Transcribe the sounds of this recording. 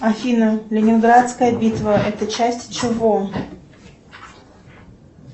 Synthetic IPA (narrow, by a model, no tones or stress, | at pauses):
ɐfʲinəlʲɪnʲɪnɡɾat̪skəjəbʲit̪vəʔɛt̪ət͡ɕæsʲtʲt͡ɕɪvo